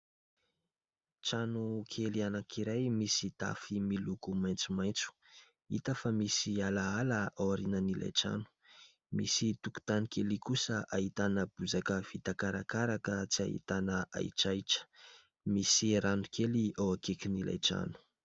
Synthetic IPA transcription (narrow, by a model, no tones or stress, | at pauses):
t͡ʃanukʰelianakʰiɾajmisid̪̥a̰fimilukumajnt͡sumajnt͡su̥ | ḭt̪əfamisialaaləawaɾinanila̰jʈ͡ʂa̰nu̥ | misit̪uku̥t̪anikʰelikusəʔaɦit̪anəb̥uzakəv̥it̪akaɾakaɾakət͡sia̰ɦḭt̪anəa̰jʈ͡ʂajʈ͡ʂə̥ | misiɾanukʰeliawakekinila̰jʈ͡ʂa̰nu̥